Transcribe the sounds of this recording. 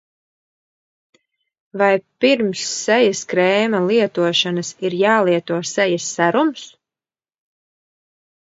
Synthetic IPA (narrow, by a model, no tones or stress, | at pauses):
vajpiɾmsːɛjaskɾɛːmalˠiɛt̪uɔʃanɐsiɾjaːlˠiɛt̪uɔsɛjasːæɾums